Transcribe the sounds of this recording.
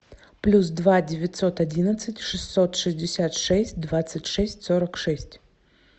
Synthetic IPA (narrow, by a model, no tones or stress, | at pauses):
plʲus̬d̪vadʲɪvʲɪt̪ʲsot̪ɐdʲinət̪sɨtʲʂɨsːot̪ʂɨzʲdʲɪsʲat̪ʂɛsʲt̚ʲd̪vat̪sɨtʲʂɛsʲtʲsoɾəkʂɛsʲtʲ